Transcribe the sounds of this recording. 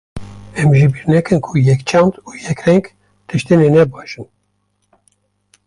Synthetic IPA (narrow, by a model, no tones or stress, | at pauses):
ɛmʒɨbiɾnɛkɨnkʰujɛkt͡ʃʰɑnd̪uːjɛkrɛŋɡ | t̪ʰɨʃt̪enenɛbɑːʃɨn